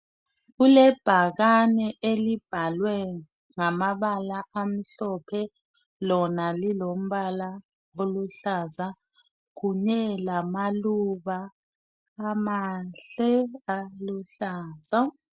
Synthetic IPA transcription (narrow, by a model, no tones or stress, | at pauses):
ɣulɛb̥ʱaɣanɛʔelib̥ʱalwɛ | ŋamaβalaam̩ɬɔpʰɛ | lɔnalilom̩βala | oluɬaza | ɣuɲɛlamaluβaː | maɬɛaluɬaːza